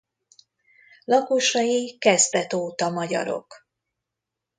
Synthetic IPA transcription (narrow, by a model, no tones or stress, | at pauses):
lɒkoʃɒjikɛzt̪ɛt̪oːt̪ɒmɒɟɒ̰ɾo̞̰k